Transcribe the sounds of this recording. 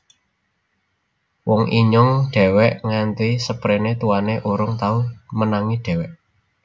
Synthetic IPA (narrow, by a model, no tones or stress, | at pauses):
wɔŋiɲʊŋɖ̥ɛ̤wɛʔŋant̪isəpɾenet̪uwaneʔuɾʊŋt̪aumənaŋiɖ̪̥ɛ̤wɛʔ